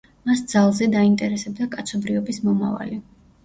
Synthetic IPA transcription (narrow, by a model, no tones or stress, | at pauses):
masd̪zalˠzɛd̪aint̪ʼɛɾɛsɛbd̪akʼat̪sʰɔbɾiɔbismɔma̰va̰li